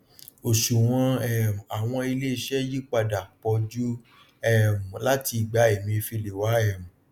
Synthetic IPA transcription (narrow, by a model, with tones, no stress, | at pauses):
o˨ʃu˨w̃ɔ̃˧ɛ˦˨m̩˨a˨w̃ɔ̃˧i˧le˦i˧ʃɛ˦ji˦k͡pa˧da˨k͡pɔ˧d͡ʒu˦ | ɛ˦˨m̩˨la˦ti˧i˨ɡ͡ba˨˦ɛ˨mĩ˧fi˧le˨wa˨˦ɛ˦˨m̩˨